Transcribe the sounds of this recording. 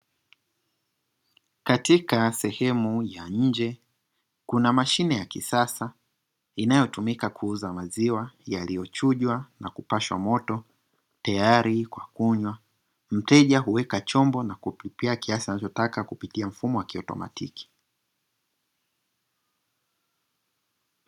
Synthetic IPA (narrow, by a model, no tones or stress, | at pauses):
katikasɛhɛmujaɲ̩d͡ʒɛ | kunamaʃinɛjakisasa | inajɔtumikakʰuuzamaziwajalijɔt͡ʃuʄwanakupaʃwa̰mɔtɔ | tajaaɾikwakuɲwa | m̩tɛʄaɦuwɛkat͡ʃɔmbɔnakupipiakiasianat͡ʃɔtakakupitiam̩fumɔwakiɔtɔ̰ma̰tiki̥